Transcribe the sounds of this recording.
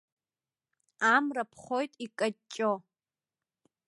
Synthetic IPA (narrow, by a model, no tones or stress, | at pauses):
amrapʰχojtʼikʼat͡ʃʼo